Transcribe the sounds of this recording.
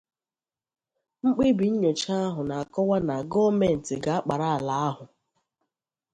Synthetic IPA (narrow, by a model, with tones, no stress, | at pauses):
ŋ͡m̩˦k͡pi˦bi˨ɲ̩˦ɲe˨t͡ʃa˦a˦ɦʊ˨na˨a˨kɔ˦wa˦na˨ɡɔ˦me˨n̩˨tɪ˨ɡa˨a˦k͡pa˨ɾa˦a˨la˨a˦ɦʊ˨